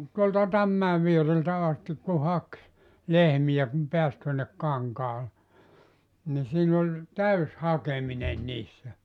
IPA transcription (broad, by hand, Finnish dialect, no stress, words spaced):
tuoltɑ tɑmːæe ʋiereltæ ɑstik ku hɑk lehmij̆æ kum peæs tuonːek kɑŋkɑːle ni siːn olʲ tæys hɑkemine niːsːæ